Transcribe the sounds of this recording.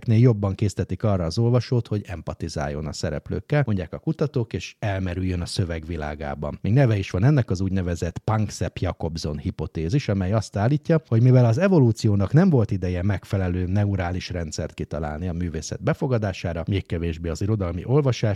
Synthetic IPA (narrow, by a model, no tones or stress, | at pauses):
kneːljo̞bːɒŋkeːst̪ɛt̪ikɒrːɒːzo̞lvɒʃoːt̪ho̞ɟɛmpɒt̪iza̰ːjːo̞̰nɒ̰sɛɾɛ̰plø̰ːkːɛloɲɟaːkɒkut̪ɒt̪oːkeːʃɛlmɛɾyjːønɒsøvɛɡʋila̰ːɡa̰ːbɒ̰mmeːɡnɛvɛiʃʋɒnɛnːɛkɒzuːɟnɛvɛzɛt̪pɒŋksɛpjɒko̞bzo̞nhipo̞t̪eːziʃɒmɛjɒst̪aːlːiːcːɒho̞ɟmivɛlɒzɛvo̞luːt̪sijoːnɒknɛɱvo̞lt̪id̪ɛjɛmɛkfɛlɛløːnɛuɾaːliʃrɛnt̪sɛ̰rt̪̚kit̪ɒla̰ːlniɒmyːveːsɛ̰d̪̚bɛfo̞ɡɒd̪aːʃaːɾɒmeːkkɛveːʒbeːɒziɾo̞d̪ɒlmḭʔo̞lvɒʃaːʃ